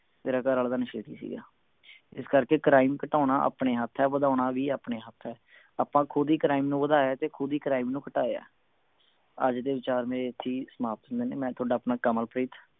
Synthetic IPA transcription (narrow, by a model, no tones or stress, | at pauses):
t̪eːɾaːkəɾəld̪aːnɪʃeːd̪ḭːsḭːɡa̰ː | ɪskəɾkeːkɾaːɪmkəʈaːʊnaːʔə̰ːpɳeːɦət̪ʰːɛːʋəd̪aːnaːʋiːaːpɳeːɦət̪ʰːɛː | aːpãːkʰʊd̪iːkɾaːɪmnũːʋəd̪aːjaːt̪eːkʰʊd̪iːkɾaːɪmnũːkəʈaːea̰ː | ə̰d͡ʒd̪eːʋɪt͡ʃaːɾmeːɾeːət̪ʰːiːsəmaːp̚t̪ɦʊ̃nd̪eːneːmɛ̃ːt̪ʰʊoːɖaːpnaːkəməlpɾiːt̪ʰː